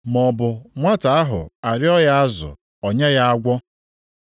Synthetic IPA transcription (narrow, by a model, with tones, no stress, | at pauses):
mɔ˨bʊ˨ŋʷa˦ta˨a˦ɦʊ̰˨a˨ɾɪ˦ɔ˦ja˦a˦zʊ̰˨ | ɔ˨ɲe˦ja˦a˦ɡʷɔ˦